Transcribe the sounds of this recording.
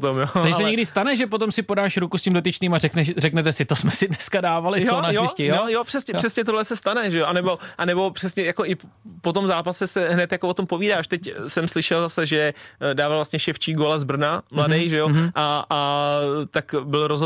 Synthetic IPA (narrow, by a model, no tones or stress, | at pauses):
t̪omjoaʒsɛɲɛɡdɪst̪anɛʒɛp̬ot̪̬o̞msɪpo̞daːʃɾukuscimdo̞t̪ɪt͡ʃniːmarɛknɛʃrɛknɛt̪ɛsɪt̪osmɛsɪdnɛskadaːvalɪjsonajɪscɛjonojopr̝̥ɛsɲɛr̥ɛsɲɛt̪oɦlɛsɛst̪anɛʒɛjoʔanɛbo̞ʔanɛbo̞pr̥ɛsɲɛjako̞ʔɪp | pot̪o̞mzaːpasɛsɛɦnɛt̪jakoot̪ompoviːdaːʃt̪ɛcsɛmslɪʃɛlzasɛʒɛdaːvalvlast̪̚ɲɛʃɛft͡ʃiːɡolazbr̩namladɛjʒɛjoʔaː | t̪akbɪlɾoz